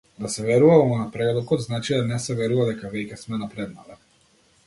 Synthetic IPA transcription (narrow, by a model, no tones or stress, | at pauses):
d̪aseʋjeɾuʋaamonapɾelˠukod̪znaːt͡ʃid̪anesɛʋʲjeɾuʋalekavekesmɛnapɾed̪nalɛ